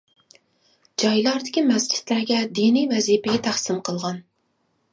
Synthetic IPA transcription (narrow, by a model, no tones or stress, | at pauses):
d͡ʒɑjlˠɑɾd̪ɪkʲimɛsd͡ʒi̥t̪læɾɡʲɛd̪inijvɛzipɪɡʲɛt̪ʰæχsɪmqʰəlˠʁɑn